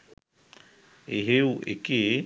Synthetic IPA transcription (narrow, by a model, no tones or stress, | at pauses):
eɦeuʔḛke